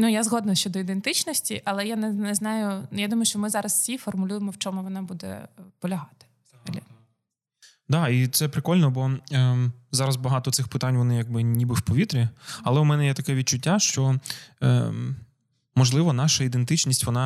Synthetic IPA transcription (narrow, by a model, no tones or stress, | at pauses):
nujazɦɔd̪nʊjʃt͡ʃɔd̪ɔid̪ent̪ɪt͡ʃnɔsʲtʲiʔɐlˠɛjanɛnɛznɑjʊjad̪umɔjʊʃt͡ʃɔmɪzɑɾɐssʲifɔrmʊlʲujemɔwt͡ʃɔmʊʋɔnɑbud̪ɛ̰pɔlʲɐɦɑt̪ɪ̥z̥ɦɐlʲḭ | d̪ɑit̪sɛpɾɪkɔlʲnɔbɔ | zɑɾɐzbɐɦɑt̪ɔt̪sɪxpɪt̪ɑnʲʋɔnɪjaɡ̚bɪnʲibɪwpɔʋʲit̪ɾʲiɐlˠɛʊmɛnɛjɛt̪ɐkɛʋʲid̚t͡ʃʊtʲːaʃt͡ʃɔ | mɔʒlˠɪʋɔnɑʃɐid̪ent̪ɪt͡ʃnʲisʲtʲʋɔnɑ